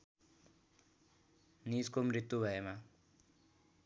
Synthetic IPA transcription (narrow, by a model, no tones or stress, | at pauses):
niskomɾit̪ːubʱaema